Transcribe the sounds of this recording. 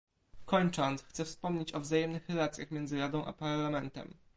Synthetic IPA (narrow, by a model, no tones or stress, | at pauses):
kɔɲt͡ʂɔnt̪sxt̪sɛfspɔmɲet͡ɕɔvzajɛmnɘxɾɛlat̪sʲjaxmʲjɛnd̪zɘɾad̪ɔ̃w̃ʔa̰paɾlamɛnt̪ɛ̰m